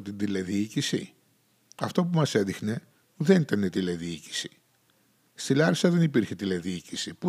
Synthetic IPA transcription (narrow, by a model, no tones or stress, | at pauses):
t̪ind̪ileðiicisḭ | ɐft̪o̞pumɐse̞ðixne̞ | ðe̞nit̪ɐnet̪ileðiici̥si̥ | st̪ilɐɾisɐðe̞nipiɾçet̪ile̞ðiicisipu